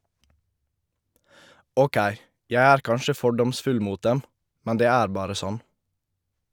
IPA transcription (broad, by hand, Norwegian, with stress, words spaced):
ˈoːˌkæɪ ˈjæ ˈæːɾ ˈkɑnʃə ˈfɔɖɔmsfʉl ˈmuːt ˈdɛm ˈmɛn ˈdeː ˈæːɾ ˈbɑːɾə ˈsɔn